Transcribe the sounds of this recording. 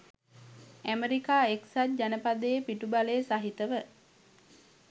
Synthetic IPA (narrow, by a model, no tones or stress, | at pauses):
æmeɾikaːeksat̚d͡ʒanəpad̪eːpiʈubaleːsaɦit̪əʋə